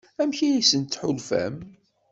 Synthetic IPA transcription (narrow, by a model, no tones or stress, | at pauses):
æmçijisənt̪ːħʊlfæ̰m